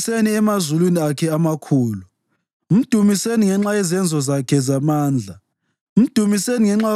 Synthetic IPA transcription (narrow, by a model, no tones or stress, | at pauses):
seniɛmazulwiniakʰɛamakʰuːlu | m̩d̥ʱumiseniŋɛŋ͡ǁaɛzɛnd͡zʱɔzakʰɛzamaːnd͡ɮʱa | m̩d̥ʱumiseniŋɛŋ͡ǁa